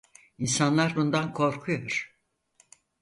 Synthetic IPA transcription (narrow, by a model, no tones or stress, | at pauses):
insanlˠaɾbund̪ankʰo̞ɾkʰujoɾ̥